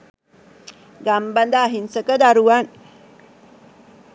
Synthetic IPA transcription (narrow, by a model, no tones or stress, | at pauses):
ɡamband̪aːɦinsəkəd̪aɾuʋan